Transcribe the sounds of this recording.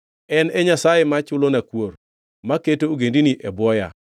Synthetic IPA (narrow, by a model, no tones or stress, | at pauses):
ɛnɛɲasajemat͡ʃʊlonakwor | maketooɡendiniʔɛbwɔja̰